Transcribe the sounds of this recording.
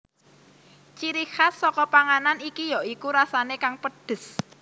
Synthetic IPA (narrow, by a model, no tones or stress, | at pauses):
t͡ʃiɾihasɔkɔpaŋananikijɔʔikuɾasanekaŋpəd̥ə̤s